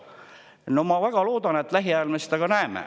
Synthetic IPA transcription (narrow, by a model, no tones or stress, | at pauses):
no̞mɑvæɡ̥ɑlo̞ːd̪̥ɑne̞t̪ːˑlæɦiɑjlmesitd̪ɑɡ̥ɑnæemḛ